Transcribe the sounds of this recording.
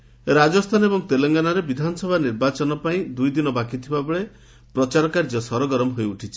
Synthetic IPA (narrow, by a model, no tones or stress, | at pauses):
ɾad͡ʒɔst̪ʰanɔebɔŋt̪eleŋɡanaɾebid̪ʱanɔsɔbʱaniɾbat͡ʃɔnɔpaĩd̪ujd̪inɔbakit̪ʰibabeɭe | pɾɔt͡ʃaɾɔkaɾd͡ʒɔsɔɾɔɡɔɾɔmɦojuʈʰit͡ʃʰi